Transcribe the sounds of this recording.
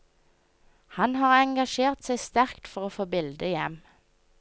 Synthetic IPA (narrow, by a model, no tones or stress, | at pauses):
hɑnhɑːʁɛŋɡɑʃeːʁt̪sæɪst̪æʁkt̪fɔʁoːfoːbɪld̪əjɛm